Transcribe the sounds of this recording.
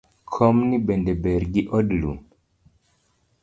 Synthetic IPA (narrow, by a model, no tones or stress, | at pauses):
kʰɔmnibɛndɛbɛɾɡiʔɔdlu